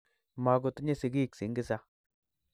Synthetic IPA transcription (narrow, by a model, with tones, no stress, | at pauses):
ma˨˦ɡʊ˨˧t̪ɲe˦si˨ɡi˦˨ksi˨˦ŋɡɪ˦sa˦